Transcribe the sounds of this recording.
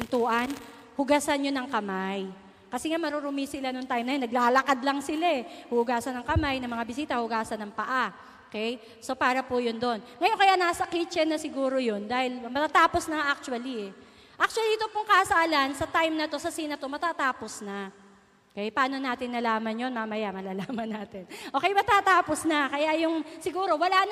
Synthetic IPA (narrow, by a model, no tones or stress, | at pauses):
pɪnt̪uːʔɐn | hʊɡasɐnjonɐŋkɐmaj | kɐsɛŋamɐɾoɾʊmisɪlanoŋt̪ajmnɐjnɐɡ̚laːlɐkad̪lɐŋsɪlaɛhʊhʊɡaːsɐnɐŋkɐmajnɐmɐŋabɪsiːt̪ɐhʊɡaːsɐnɐŋpɐʔa | okɛj | so̞paːɾɐpʊjond̪o̞nŋɐjonkɐjaʔnaːsɐkit͡ʃɛnɐsɪɡuːɾo̞jo̞nd̪aːhɪlmɐt̪at̪aːpo̞snɐŋaʔak̚t͡ʃʊɐliɛ | ʔak̚t͡ʃʊɐliʔɪt̪opʊŋkɐsaːlɐnsɐt̪ajmnɐt̪o̞sɐsiːnɐt̪o̞mɐt̪aːt̪aːposnɐ | okɛjpɐaːnonaːt̪ɪnːɐlaːmɐnjo̞nmaːmɐjamɐlaːlaːmɐnaːt̪ɪnʔo̞ːkɛjmɐt̪aːt̪aːposnɐkɐjajʊŋsɪɡuːɾo̞wɐlan